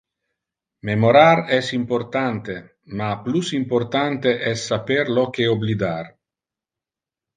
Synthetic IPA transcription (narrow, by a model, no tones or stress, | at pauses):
memoɾaɾɛsimport̪ant̪e | maplusimport̪ant̪eʔɛsːapeɾlokeoblid̪ar